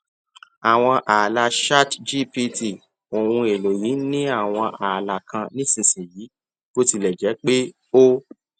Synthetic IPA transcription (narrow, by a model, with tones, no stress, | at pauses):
a˨w̃ɔ̃˧ʔa˨la˧ʃa˦td͡ʒi˦pi˧ti˨ | o˨wũ˧e˨lo˨ji˨˦nĩ˦a˦˨w̃ɔ̃˧ʔa˨la˨kʰã˧nĩ˦sĩ˨sĩ˨jiː˨˦ | ko˦ti˧lɛ˨d͡ʒɛ˨˦k͡pe˦ | o˦